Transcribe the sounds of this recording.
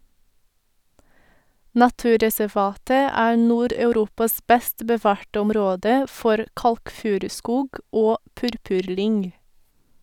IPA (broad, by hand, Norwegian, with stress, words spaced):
nɑˈtʉːɾɛsɛˌʋɑːtə ˈæːɾ ˈnuːɾɑʉˌɾuːpɑs ˈbɛst bəˈʋɑːɾʈə ʊmˈɾoːdə ˈfɔɾ ˈkɑlkˌfʉːɾʉˌskuːɡ ˈoː ˈpʉɾpʉɾˌlʏŋ